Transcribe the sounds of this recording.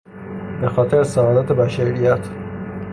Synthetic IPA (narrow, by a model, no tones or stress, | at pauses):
b̥exɒːt̪ʰeɾesæɒːd̪æt̪ʰebæʃæɾijæt̪ʰ